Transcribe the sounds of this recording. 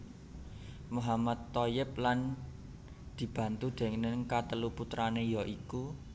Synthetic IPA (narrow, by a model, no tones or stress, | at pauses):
muɦamad̪ːojɪp̚lan | d̪̥i̤b̥ä̤nt̪ud̪̥ɛ̤ŋnɪŋkat̪əluput̪ɾanejɔʔiku